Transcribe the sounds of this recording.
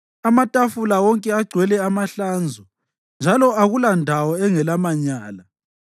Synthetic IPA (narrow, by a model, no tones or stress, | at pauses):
amatʼafulawɔŋkʼɛaɡ͡ǀʱwɛlɛamaɬand͡zʱɔ | nd͡ʒʱalɔaɣulandʱawɔɛŋɛlamaɲaːla